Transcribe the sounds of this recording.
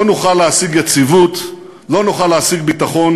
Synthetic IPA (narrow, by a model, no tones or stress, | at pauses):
onuχalːeasiɡjat͡sivut̪ | lo̞nuχaleasiɡ̚bit̪aχo̞n